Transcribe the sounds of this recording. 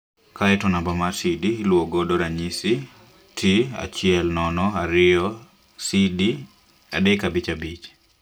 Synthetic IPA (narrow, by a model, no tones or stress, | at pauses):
kaɛtɔnambamasidilwoɡɔdɔɾaɲisi | tʰia̰t͡ʃɪɛlnɔnɔaɾɪɔ | sidi | a̰dɛkabit͡ʃabit͡ʃ